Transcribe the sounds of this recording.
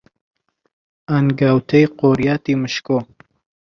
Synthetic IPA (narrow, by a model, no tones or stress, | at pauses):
anɡaːwt̪ʰɐjqoːɾjaːt̪iːmɨʃko